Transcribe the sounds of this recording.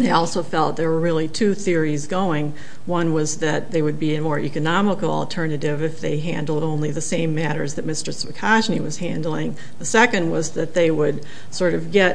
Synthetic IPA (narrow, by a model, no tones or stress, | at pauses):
ðeɪɔlˠsoʊfɛlˠt̪̚ðə˞wə˞ɹɪlˠitʰʉθɪɹizɡoʊɪ̃ŋ | wʌ̃nwʌzðɨt̪̚ðeɪwɨd̚biɨmɔɹʔḭkɨnɑməkl̩ˠə̰lˠtʰɜ˞nɨɾɪvɨfðeɪɦæ̃ndˡl̩ˠdõʊ̃nliðɨsẽɪ̃mːæɾə̰˞zðɨt̚mɪstə˞svɨkʰɑʒniwʌz̥hæ̃ndˡl̩ˠɪ̃ŋ | ðəsɛkɨ̃nd̚wʌzðɨt̪̚ðeɪwəd̚ | sɔɹɾʌvɡɛt̚